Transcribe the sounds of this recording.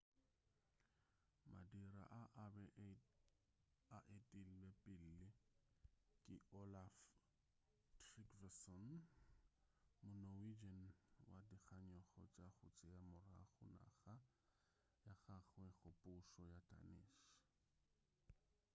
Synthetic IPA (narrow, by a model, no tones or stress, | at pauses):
ma̰diɾa̰ʔaʔbɛ | aʔetʼil̩lɛpʼɪl̩lɪ | kʼɪʔolaf | trikvɛsɔn | mʊnowid͡ʒɛn̩wadiχʰaɲɔχɔ̰t͡ʃʼaχʊt͡sʼɪjamʊra̰χʊna̰χa | jaχaχwɛχʊpʼʊʃɔjatʼa̰nɪ̰ːʃ